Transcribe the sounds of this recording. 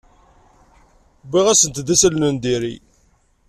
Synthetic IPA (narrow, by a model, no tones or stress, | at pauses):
biʁæsənt̪d̪æsəlnənd̪iɾḭ